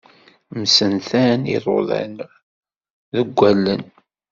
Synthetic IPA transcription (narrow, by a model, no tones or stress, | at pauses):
msənθænḭðˤo̰ðˤæ̰n | ðəɡʷːælːən